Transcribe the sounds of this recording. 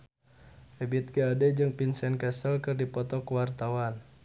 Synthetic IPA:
ɛbit̪̚ɡəadɛd͡ʒɨŋpinsɛnkɛsəlkɨrdipɔt̪ɔkəwart̪awan

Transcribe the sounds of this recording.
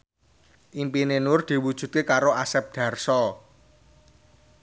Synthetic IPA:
ʔimpinenʊrd̪̥i̤wud̥ʒ̥ṳdt̪̚kekaɾoasɛp̚d̪̥ä̤rsɔ

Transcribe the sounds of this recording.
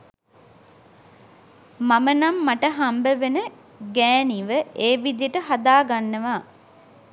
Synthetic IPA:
mamənamːaʈəɦambəʋenə | ɡæːniʋəeːʋid̪ijəʈəɦad̪aːɡanːəʋaː

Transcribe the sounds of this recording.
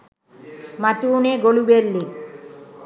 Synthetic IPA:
mat̪uːneɡoɭubelːi

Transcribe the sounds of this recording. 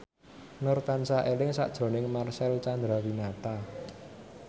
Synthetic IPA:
nʊrt̪ansaʔelɪŋsa̰ʔd̥ʒ̥ɾo̤nɪŋmarsɛlt͡ʃand̪ɾawinat̪a

